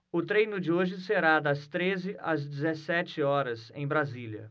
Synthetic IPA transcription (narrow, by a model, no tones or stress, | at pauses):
ʊt̪ɾejnʊd͡ʒɪoʒɪseɾad̪ɐst̪ɾezɪʔɐzd͡ʒɪzesɛt͡ʃɪɔɾɐsḛ̃j̃bɾaziljɐ̰